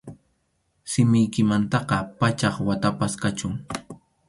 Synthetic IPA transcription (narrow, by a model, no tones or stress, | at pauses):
sɪmɪjkɪmant̪ɑqɑpat͡ʃɑχwat̪apaskat͡ʃʊŋ